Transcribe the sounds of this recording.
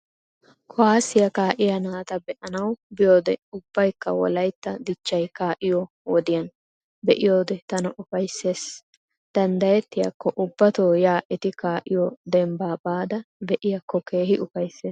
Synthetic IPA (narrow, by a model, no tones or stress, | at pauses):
kʰɔwaːsɪjɐkaːʔɪjɐnaːt̪ɐbɛʔɐnɐwbɪjoːd̪ɛʊbːɐjkːɐwɔ̰lɐjt̪ːɐd̪ɪt͡ʃːɐjkaːʔɪjɔ | wɔd̪ɪjɐn | bɛʔɪjo̞ːd̪ɛt̪ɐnɐʔʊfɐjsːe̞ːs | d̪̥ɐnd̪ɐjɛt̪ːɪjɐ̰kːɔʔʊbːɐt̪oːjaːʔɛt̪ɪkaːʔɪjɔd̪ɛmbaːbaːd̪ɐbɛʔɪjɐkːɔke̞ːhɪʔʊfɐjsːeːs